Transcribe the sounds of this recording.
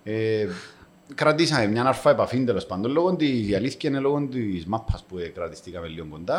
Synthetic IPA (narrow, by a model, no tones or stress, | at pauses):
e | kɾat̪isɐmemɲɐnɐɾfɐepafind̪elo̞spand̪oloɣond̪izjɐliθceneloɣont̪izmapʰːɐspuekɾɐt̪i̥st̪ikɐmelːioŋɡond̪ɐ